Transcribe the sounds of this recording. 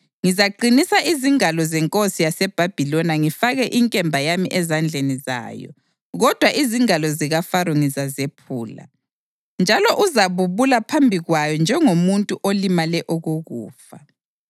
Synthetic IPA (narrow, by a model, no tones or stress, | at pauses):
ŋizaǃinisaʔiziŋalɔzɛŋkʼosijasɛb̥ʱab̥ʱilɔnaŋifaɣɛʔiŋkʼɛmbʱajamiʔɛzand͡ɮʱeniza̰ːjɔ̰ | ɣɔd̥ʱwaʔiziŋalɔziɣafaɾɔŋizazepʰuːla̰ | nd͡ʒʱalɔʔuzaβuβulapʰambʱiɣwajɔnd͡ʒʱɛŋomuntʼuʔolimalɛʔoɣuɣṵːfa